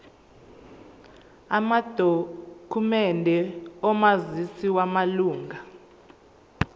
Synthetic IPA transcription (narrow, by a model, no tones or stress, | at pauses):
amad̥ʱokʰumɛndʱɛɔmazisiwamaluːŋɡʱa